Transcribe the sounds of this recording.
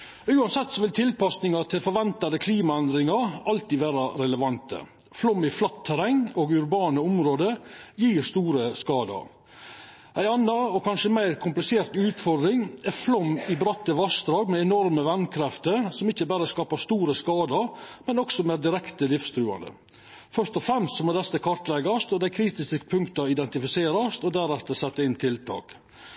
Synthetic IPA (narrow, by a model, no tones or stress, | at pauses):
ʉːɑnsɛt̪ːsɔʋɪlt̪ʰɪlpɑsnɪŋɑt̪ʰɪlfɔɾʋɛnt̪ɑd̪əkʰliːmɑɛnd̪ɾɪŋɑɾɑlt̪iːʋæːɾɑɾɛləʋɑnt̪ə̰ | flɔmːɪflɑt̪ʰːæɾɛŋːoːɡʉɾbɑːnəʊmɾoːd̪əjiːɾst̪uːɾəskɑːd̪ɑ̰ɾ | ʔæɪɑnːɑɔkʰɑnʂəmæɪɾkʰʊmplɪseːɾt̪ʉːt̪fɔɾd̪ɾɪŋɛɾflɔmːɪbɾɑt̪ːəʋɑsd̪ɾɑːɡmɛːnɔɾməʋænkʰɾɛft̪əɾsɔmɪçːəbæɾəskɑːpɑst̪uːɾəskɑːd̪ɑɾmɛnɔksɔmɛæd̪ɪɾɛkt̪əlɪfst̪ʰɾʉːɑ̰nd̪ə̰ | fœɾʂt̪ɔfɾɛmst̪sɔmɔd̪ɛsəkʰɑɾt̪lɛɡɑst̪ɔd̪æɪkʰɾiːt̪ɪskəpʰʉŋkt̪ɑɪd̪ɛnt̪ɪfɪseːɾɑst̪ɔd̪æɾɛt̪ːəsɛt̪ːəɪnt̪ʰɪlt̪ʰɑ̰ːk